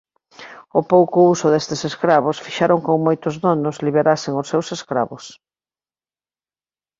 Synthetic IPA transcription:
ʊpowkʊusʊðest̪eseskɾaβ̞ʊsfiʃaɾoŋkoŋmojt̪ʊzðonʊzliβeɾaseŋʊsːewseskɾa̰βʊs

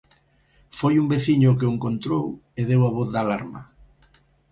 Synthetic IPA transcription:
fojumbeθiɲʊkeoeŋkont̪ɾoweðewaβ̞oθðalaɾmɐ̰

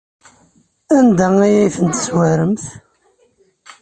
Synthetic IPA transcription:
ænd̪ææjæjθənt̪ə̥swæɾəmθ

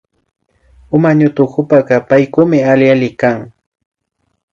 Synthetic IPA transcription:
ʊmaɲʊt̪ʊxʊpaɢɑpajkʊmɪaljalɪkaŋ

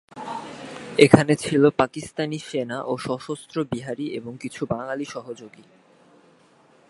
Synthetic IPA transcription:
ekʰanet͡ɕʰilopakist̪aniʃenaʔoʃɔʃost̪ɾobiɦaɾiʔeboŋkit͡ɕʰubaŋaliʃɔɦod͡ʑoɡi

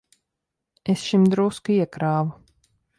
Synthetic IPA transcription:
esʃimd̪ɾuskiɛkɾaːvu

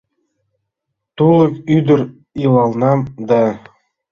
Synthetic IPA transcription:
t̪ulˠɤ̆kyd̪ɘ̆ɾ | ilˠɑlˠnɑmd̪ɑ

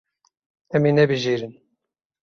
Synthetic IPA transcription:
ɛmeːnɛbɨʒiːɾɨn

